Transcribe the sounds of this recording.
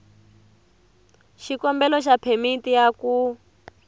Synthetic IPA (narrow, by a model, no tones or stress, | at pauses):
ʃikɔmbɛlɔʃ̬apʰemitijaku